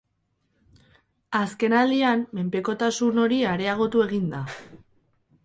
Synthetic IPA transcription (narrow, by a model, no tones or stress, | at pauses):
aske̞nald̪iamːe̞mpe̞ko̞t̪asuno̞ɾiaɾe̞aɣ̞o̞t̪ue̞ɣ̞ind̪a